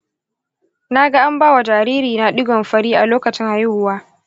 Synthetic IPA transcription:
na˦ɡa˦ʔa˦mbaː˦wa˨d͡ʒaː˨ɾiː˦ɾiː˨na˦ɗɪ˦ɡɔ˨mɸɐ˦ɽiː˦ʔa˨loː˦kɐ˨t͡ʃɪ˦ŋʔa˨jɪ˦hʊ˦waː˦

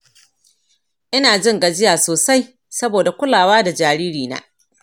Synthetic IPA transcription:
ʔɪ˦naː˨d͡ʒɪ˦ŋɡa˨d͡ʒɪ˦jaː˨soː˨sa˦j | sɐ˦boː˨da˨kʷʊ˦laː˨waː˦da˨d͡ʒaː˨ɾiː˦ɾiː˨na̰ː˦

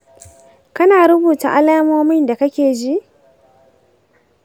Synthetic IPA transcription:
kɐ˦naː˨ɾʊ˦buː˨ta̰˨ʔa˦laː˦moː˦mɪ˦nda˨kɐ˦kʲeː˨d͡ʒi˦ʔ

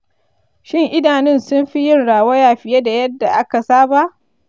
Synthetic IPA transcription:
ʃɪ˦ŋʔɪ˦daː˨nɪ˦˨nsʊ˦mɸi˦jɪ˦nɽaː˨wɐ˦jaː˨ɸɪ˨ja˦da˨jɐ˦dːa˨ʔa˦ka˨saː˦ba˦ʔ

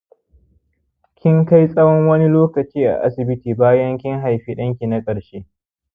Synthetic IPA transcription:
kʲɪ˦ŋka˦jsʼɐ˦wɔ˦ŋwɐ˦ni˦loː˦kɐ˨t͡ʃiː˦ʔa̰˨ʔa˦sɪ˨bɪ˦tiː˨baː˦jɐ˦ŋkʲɪ˦ŋɦa˨jɸiː˦ɗɐ˦ŋkʲi˨na˦kʼɐ˨ɽʃe˦

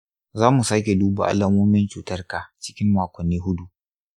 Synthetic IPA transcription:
zaː˦mu˨saː˦kʲe˨duː˦ba̰˨ʔa̰˦la˦moː˦mɪ˦nt͡ʃuː˨tɐ˦rka˨t͡ʃɪ̥˦kʲɪ˦mːaː˨kʷɔ˨nːiː˦ɦʊ˦du˨ʔ

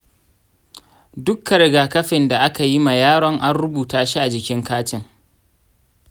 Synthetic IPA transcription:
dʊ˦kːɐ˨ɾɪ˨ɡaː˨kɐ˦ɸɪ˨nda˨ʔa˦ka˨ji˦ma˨jaː˦ɽɔ˦ŋʔa˦nɽʊ˦buː˨taː˦ʃi˦ʔa˨d͡ʒɪ˨kʲɪ˦ŋkaː˦tɪ˨ŋ

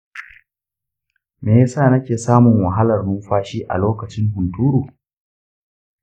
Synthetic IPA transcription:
meː˨jsaː˦˨nɐ˦kʲeː˨saː˦mʊ˨ŋwɐ˨ɦa˦lɐ˨rnuː˦ɸaː˦ʃiː˦ʔa̰˨loː˦kɐ˨t͡ʃɪ˦ŋɦʊ˨ntuː˦ɾuː˨

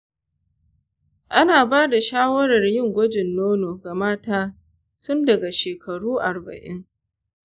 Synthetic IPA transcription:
ʔa˦naː˨baː˦da˨ʃaː˦wɐ˦ɾɐ˨rjɪ˦˨ŋɡʷɐ˦d͡ʒɪ˨nːoː˦noː˨ɡa˨maː˦taː˦ | tʊ˦ndɐ˨ɡa˨ʃeː˨kʰɐ˨ɽuː˦ʔa˨rbɐ̰˨ʔɪ̰˦ŋ

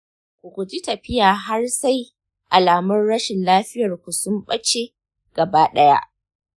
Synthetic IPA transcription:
kʷu˨kʷu˨d͡ʒi˦tɐ˨ɸɪ˦jaː˨ɦa˦rsa˦j | ʔa˨laː˨mɐ˦rɽɐ˦ʃɪ˨nlaː˦ɸɪ˦jɐ˨rkʷu˨sʊ˦mɓɐ˦t͡ʃe˦ | ɡ̥ɐ˨baː˦ɗɐ˦ja̰˦ʔ

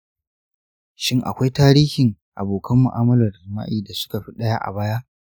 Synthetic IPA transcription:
ʃɪ˦ŋʔa̰˨kʷa˦jtaː˦ɾiː˦hɪ˨ŋʔa̰˨boː˨kʰɐ˦mːʊ̰˨ʔaː˦mɐ˦lɐ˨rzɪ˨ma̰ː˦ʔiː˨da˨sʊ̥˦ka˨ɸi˦ɗɐ˦ja˦ʔa̰˨baː˦ja˦ʔ

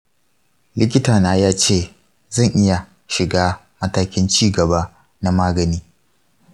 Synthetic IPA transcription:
lɪ˦k̬ʲɪ˦taː˨naː˦jaː˦t͡ʃeː˦˨ | zɐ˦˨ŋʔɪ˦ja˨ | ʃɪ˨ɡaː˦ | mɐ˦taː˦kʲɪ˦nt͡ʃiː˦˨ɡɐ˨baː˦ | na˦maː˦ɡɐ˨niː˦

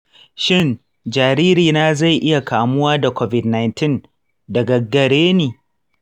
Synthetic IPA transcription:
ʃɪ˦˨n | d͡ʒaː˨ɾiː˦ɾiː˨naː˦za˦˨jʔɪ˦ja˨kʰaː˨mʊ˦waː˦da˨kʷoː˦vɪ˨dna˨jntɪ˦˨n | dɐ˨ɡɐ˨ɡɐ˨ɽeː˦niː˨

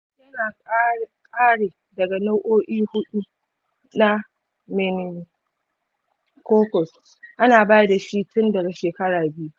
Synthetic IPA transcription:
jɐ˦naː˨kʼa˦kʼaː˦ɽeː˨ | dɐ˨ɡa˨no˦wʔoː˦ʔiː˦hʊ˦ɗu˦ | na˦ | mɪ˨n˨ | koː˦kʷɔ˨s | ʔa˦naː˨baː˦jda˨ʃi˦tʊ˦ndɐ˨ɡa˨ʃeː˨kɐ˦ɽaː˨bɪ˦ju˦

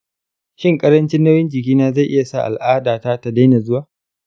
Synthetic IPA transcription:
ʃɪ˦ŋkʼɐ˦ɾɐ˦nt͡ʃɪ˦nːɐ˦wjɪ˦nd͡ʒɪ˨kʲiː˦naː˦za˦˨jʔɪ˦ja˨sa̰˦˨ʔa̰˨lʔaː˦daː˨taː˦ta˨da˦jna˨zʊ˦waː˨

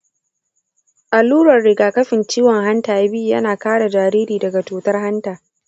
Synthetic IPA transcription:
ʔa˨luː˦ɾɐ˨rɽɪ˨ɡaː˨kɐ˦ɸɪ˨nt͡ʃiː˦wɔ˨ŋɦa˦ntaː˨ʔa˨bɪ˦ju˨jɐ̰˦naː˨kaː˦ɽa˨d͡ʒaː˨ɾiː˦ɾiː˨dɐ˨ɡa˨tuː˨tɐ˦rɦa˦ntaː˨

